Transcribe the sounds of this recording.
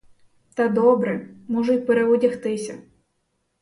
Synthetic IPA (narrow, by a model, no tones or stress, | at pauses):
t̪ɐd̪ɔbɾɛmɔʒʊtʲpeɾeɔdʲɐxt̪ɪsʲɐ